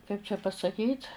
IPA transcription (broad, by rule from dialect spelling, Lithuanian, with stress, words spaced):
kɐɪp t͡ʃʲɛ pɐsɐˈkʲiːt